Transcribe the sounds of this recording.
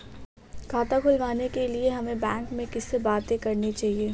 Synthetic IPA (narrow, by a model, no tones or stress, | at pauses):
kʰaːt̪akʰʊlʋaːnekelieɦɐmẽbɛ̃ːŋkmẽkɪsːebaːt̪ẽkɐɾnit͡ʃaːɦieː